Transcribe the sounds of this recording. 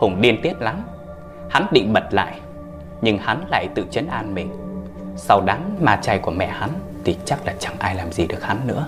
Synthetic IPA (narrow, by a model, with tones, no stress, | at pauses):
hʊ˨˧˩ŋ͡mɗi˧ənt̪i˦˥ət̚la˨˦m | ha˨˦nɗḭ˧˨ŋ̟ɓə˨˩t̚la̰ː˧˨j | ɲɨ˧ŋha˨˦nla̰ː˧˨jt̪ɨ̰˧˨t͡ɕə˨˦nʔaː˧nmï˨˩ŋ̟ | sa˧wɗaː˨˦ŋmaː˧t͡ɕa˧jku˧˩əmɛ̰˧˨ha˨˦n | t̪ʰi˨˩t͡ɕa˦˥k̚laː˨˩t͡ɕa˧˩ŋʔaː˧jlaː˨˩mzi˨˩ɗɨ˨˩ək̚ha˨˦nːɨ̰˧˥ə